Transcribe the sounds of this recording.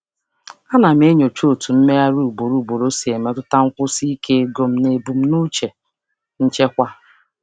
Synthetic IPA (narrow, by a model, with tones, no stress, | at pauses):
a˦na˨m̩˦e˦ɲo˨t͡ʃo˦˨tu˨m̩˦me˦a˦ɾu˦˨bo˨ɾu˨bo˨ɾo˦si˨e˨me˦tʊ˦ta˦ŋ̩˦kʷʊ˦si˦ke˦e˦ɡo˨m̩˦ne˨bu˨m̩˦nu˦t͡ʃe˨ | n̩˦t͡ʃe˦kʷa˦